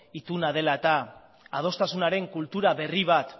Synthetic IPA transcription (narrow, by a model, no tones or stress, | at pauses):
it̪unað̞e̞laet̪aː | ð̞o̞st̪asunaɾe̞ŋkult̪uɾaβe̞riβ̞at̪